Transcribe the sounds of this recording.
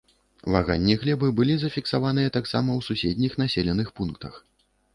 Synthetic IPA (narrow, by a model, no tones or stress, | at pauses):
vaɣa̰nʲːiɣlʲɛbɨbɨlʲizɐfʲiksavanɨjɛt̪aksa̰mɐwsusʲɛd̪ʲnʲixn̪asʲɛlʲɛnɨxpunkt̪ɐx